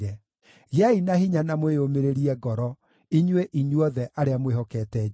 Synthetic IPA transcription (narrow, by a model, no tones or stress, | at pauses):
ɛ | ɣainahiɲanamweomeɾeɾiɛɡɔɾɔ | iɲweʔiɲwɔðɛʔaɾeamwehɔkɛtɛ